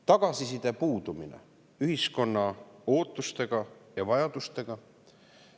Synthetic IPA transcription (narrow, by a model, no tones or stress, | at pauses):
t̪ɑɡ̥ɑsisid̪̥e̞puːd̪̥uminḛ | yɦisko̞nːɑo̞ːt̪ˑːust̪e̞ɡ̥ɑjɑvɑjɑd̪̥ust̪e̞ɡ̥ɑ